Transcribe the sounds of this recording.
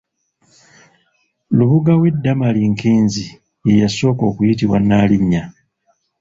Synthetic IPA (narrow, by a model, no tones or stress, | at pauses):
luβuɡawe̞dːamaliŋkiːnzi | ejaso̞ːko̞ːkujitiβwanaːliɲːa